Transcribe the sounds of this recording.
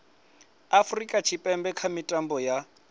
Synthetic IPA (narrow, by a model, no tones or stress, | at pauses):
afrikʼat͡ʃʰipʼɛmbɛkʰamitʼambɔja